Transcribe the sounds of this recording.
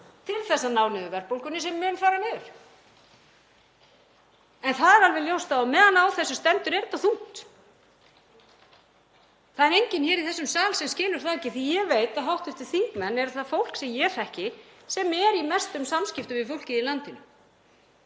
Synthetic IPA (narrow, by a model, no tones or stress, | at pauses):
t̪ʰɪlθɛsːanawnɪðʏvɛr̥powlkʏnɪsɛmːʏːnfaːɾanɪɾ̥ | ɛnθaðɛɾalvɛljowst̪awamɛːðanawθɛsːʏst̪ɛnt̪ʏɾɛɾt̪aθun̥t̪ | θaðɛɾejɲcɪnçɛːɾiθɛsːʏmsaːlsɛmscɪːlʏɾ̥θaðɛcːɪθijɛveːjt̪aðɦawht̪ʏft̪ɪ̥θiŋkmɛnːɛɾθaðfowl̥ksɛmjɛɾ̥ɛhcɪsɛmɛɾimɛst̪ʏmsamscɪft̪ʏmɪfʏl̥cɪðilant̪ɪnʏ